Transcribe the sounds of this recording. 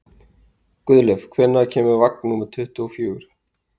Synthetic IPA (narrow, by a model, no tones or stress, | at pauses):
kʏðlɛv̥kʰvɛnːaðcʰɛːmʏɾvak̚nnuːmɪt̪ʰʏht̪ʏɔfjʏːʏɾ̥